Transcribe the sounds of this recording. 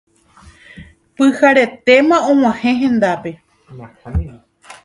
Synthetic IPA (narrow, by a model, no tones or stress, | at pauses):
pɨhaɾe̞t̪e̞mãõw̃ãhẽ̞ɦẽ̞nd̪ape̞